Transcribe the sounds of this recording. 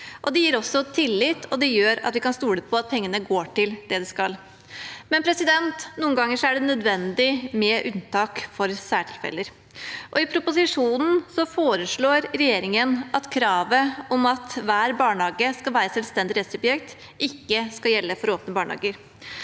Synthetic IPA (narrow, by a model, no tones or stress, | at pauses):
ʔɔd̪ɛjiːɾɔsɔt̪ʰɪlːɪt̪ʰːɔd̪ɛjøːɾɑ̰t̪ʋɪkɑnst̪uːɽəpʰɔɑt̪̚pʰɛŋːənəɡoːʈɪld̪̥ɛd̪ɛskɑl | mɛnpʰɾɛsɪd̪ɛnt̪nuːənɡɑŋːəʂɔæɖɛnœd̪ʋɛnd̪ɪmɛːʔʉnt̪ʰɑːkfɔɾsæːʈʰɪlfɛ̰ləɾ | ʔɔɪpʰɾʊpʊsɪʂuːnn̩sɔfoːɾəʂɭoːɾɾɛjeːɾɪŋənʔɑt̪kʰɾɑːʋəɔmɑt̪ʋæːɾbɑːɳɑːɡəskɑlʋæːɾəsɛlst̪ɛnd̪ɪɾɛt̪sʊbjɛkt̪ | ʔɪkːəskɑljɛlːəfɔɾoːpnəbɑːɳhɑ̰ːɡəɾ